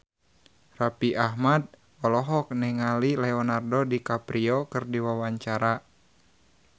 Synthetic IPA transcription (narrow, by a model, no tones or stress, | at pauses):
rapiʔaɦmad̚ | ɔlɔɦɔk̚nɛŋalilɛɔnardɔdikapɾiɔkɨrdiwawaɲt͡ʃaɾa